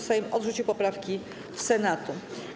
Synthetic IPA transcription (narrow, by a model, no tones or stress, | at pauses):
sajmɔd̪ʐut͡ɕiwpɔpɾafkʲi | fsɛnat̪u